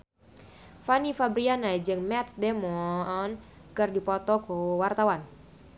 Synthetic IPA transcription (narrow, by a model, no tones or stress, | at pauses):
fanifabɾianad͡ʒɨŋmɛt̪̚demɔn | kɨrdipɔt̪ɔɡ̥owart̪awan